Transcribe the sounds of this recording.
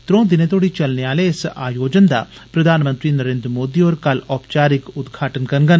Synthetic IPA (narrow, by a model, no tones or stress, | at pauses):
t̪ɾõːd̪ɪnet̪oːɽit͡ʃɐlneaːleɪsa̰ːjoːd͡ʒənd̪a̰pɾɐd̪ʱaːnmə̃nt̪ɾiːnəɾẽːnd̪ɾəmoːd̪iːoːɾkɐlɔːpt͡ʃaːɾɪkʊd̪ɡʱaːʈənkɐɾnɡən